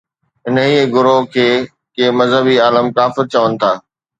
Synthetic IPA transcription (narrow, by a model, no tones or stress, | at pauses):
ɦɪnəɦiːɡʊɾokʰeː | keːmɐzɦəbiaːləmkaːfɪɾt͡ɕɐʋənɪ̆t̪ʰaː